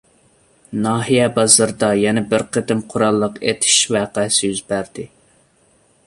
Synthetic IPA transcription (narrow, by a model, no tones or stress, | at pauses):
nɑːɦijɛbɑzɨɾd̪ɑjɛnɛbɪɾqʰəd̪ɪmqʰʊɾɑlˠːəqet̪ʰɪ̥ʃvæːqæsɪjyzbæɾd̪ɪ